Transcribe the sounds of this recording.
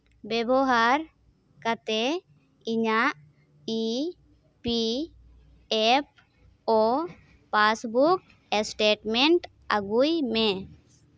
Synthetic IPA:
bɛbɔɦaɾ | kat̪e | iɲaʔ | i | pi | ep̚ | ɔ | pasbuk̚ | esʈeʈmɛɳʈ | aɡujme

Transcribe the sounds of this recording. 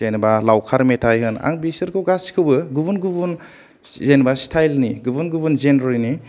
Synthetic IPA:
ejnbalawkʰaɾmetʰajɦɯna̰ŋbisɯɾkʰɯwɡaskʰɯwbɯɡubunɡubun | zenbastʰajlniɡubunɡubunzenɾɔjni

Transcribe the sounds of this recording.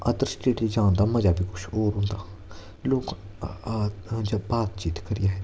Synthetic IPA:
ʔəd̪əɾsʈeːʈid͡ʒãːnd̪aːməd͡ʒaːbiːkʊt͡ʃʰɔːɾɦʊ̃ːnd̪aː | loːkː | d͡ʒabaːt̪t͡ʃiːt̪kəɾɪjaːɦɛː

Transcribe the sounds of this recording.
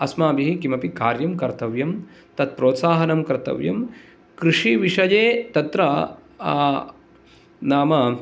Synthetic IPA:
ɐsmaːbiɦikimɐpikaːɾjɐmkɐɾt̪ɐʋjɐm | t̪ɐt̪̚pɾoːt̪saːɦɐnɐmkɐɾt̪ɐ̰ʋjɐ̰m | kɾiʂiʋiʃɐd͡ʒeːt̪ɐt̪ɾɐ | naːmɐ

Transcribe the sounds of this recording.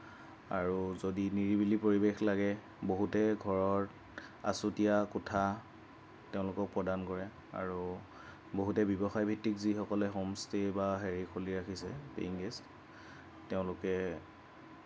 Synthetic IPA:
a̰ɹuzodiniɹibilipoɹibexlaɡɛ | boɦutɛɡʱɔɹɔɹ | a̰sutijakɔtʰa | teʊ̃lʊkɔk̚pɹɔdankɔɹɛ | a̰ɹu | boɦutɛbjɔbɔxajbʱitːikzixɔkɔlɛxɔmstʰebaɦeɹikʰoliɹaxʰisɛ̰pḛŋɡest | teʊ̃lʊkɛ

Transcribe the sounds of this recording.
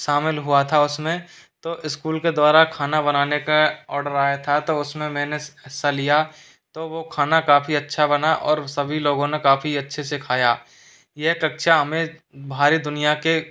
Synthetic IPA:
ʃaːmɪlɦʊat̪ʰaʊsmẽ | t̪oːʔɪskuːlked̪waːɾakʰaːnabɐnaːnekaɔːɾɖəɾaːjat̪ʰat̪oʊsmẽmɛ̃ːneɛːsalija | t̪oʋokʰaːnakaːfiɐtːʃʰabɐnaʔɔːɾsɐbʱiloːɡõnekaːfiɐtːʃʰesekʰaːjaː | jɛɦkɐkʃʰaɦɐmẽbʱaːɾid̪ʊnijake

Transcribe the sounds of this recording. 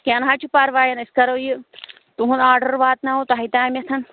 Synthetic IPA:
kʲenɦat͡ʃʰipɐɾʋaːjɐniskɐɾoji | t̪uɦũnaːɾɖəɾʋaːt̪nɐut̪ɐɦɐjt̪aːmʲɐt̪ʰɐn

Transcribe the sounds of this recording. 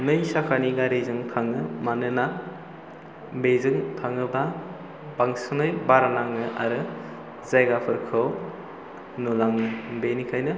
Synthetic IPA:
nɯjsakʰaniɡaɾejzɯŋtʰaŋɯmanɯna | bezɯŋtʰaŋɯba | baŋsɯnɯjbaɾanaŋɯʔa̰ɾɯ | zajɡapʰɯɾkʰɯw | nulaŋɯbenikʰajnɯ

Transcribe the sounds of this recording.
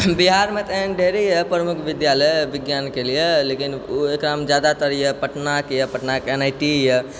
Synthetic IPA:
biɦaɾmet̪əɦənɖʱeɾəjəpɾəmukʰʋid̪jaləjbiɡjankelijelekinuekɾamd͡ʒjad̪at̪əɾijəpəʈnakjəpəʈnakenajʈijɛ

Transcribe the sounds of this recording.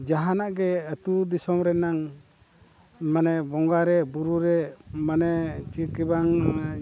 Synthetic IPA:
d͡ʒaɦanaʔɡɛət̪ud̪isɔmɾɛnaŋ | manɛbɔŋɡaɾɛbuɾuɾɛmanɛt͡ʃikibaŋ

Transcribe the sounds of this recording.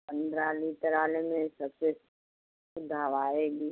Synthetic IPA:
pə̃nd̪ɾaːlit̪əɾaːlemẽsɐkses | ʊd̪ʱaːʋaːeɡiː

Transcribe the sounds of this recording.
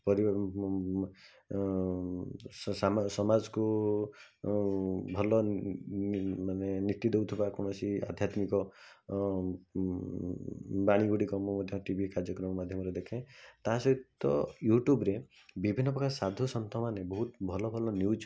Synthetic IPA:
pɔɾi | sasɔmad͡ʒɔku | bʱɔlɔ | manenit̪ːid̪ewt̪ʰibakɔɽ̃ɔsia̰d̪ʱjat̪mikɔ | baɽ̃iɡuɽikɔmɔmad̪ʱjɔʈibʱikaɾd͡ʒjɔkɾɔmɔmad̪ʱjɔmɔɾed̪ekʰẽt̪aɦasɔit̪ːɔjuʈjubɾe | bibʱinːɔpɔkʰasad̪ʱusɔnt̪ʰɔmanebɔɦut̪bʱɔlɔbʱɔlɔnjud͡ʒ

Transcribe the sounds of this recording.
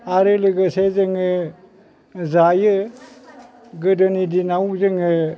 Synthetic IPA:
aɾɯlɯɡɯsezɯŋɯ | zajɯ | ɡɯdɯnidinawzɯŋɯ

